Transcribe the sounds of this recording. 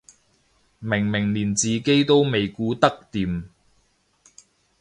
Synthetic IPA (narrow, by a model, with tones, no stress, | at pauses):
mɪ˨˩ŋmɪ˨˩ŋliː˨˩nt͡siː˨ke˥jt̪o˥wme˨jkuː˨˧t̪ɐ˥k̚t̪iː˨m